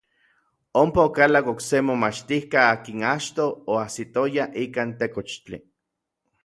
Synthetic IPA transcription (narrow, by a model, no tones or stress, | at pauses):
ompaokalakoksemomat͡ʃt̪ihkaaːkinat͡ʃt̪oːasit̪ojaʔikaːnt̪ekot͡ʃt͡ɬḭ